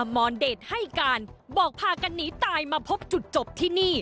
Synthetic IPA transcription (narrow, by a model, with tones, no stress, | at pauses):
mɔː˧ndeː˨˩t̪̚ha˥˩jkaː˧nbɔː˨˩k̚pʰaː˧ka˧nːiː˦˥t̪aː˧jmaː˧pʰo˦˥p̚t͡ɕu˨˩t̪̚t͡ɕo˨˩p̚t̪ʰiː˥˩niː˥˩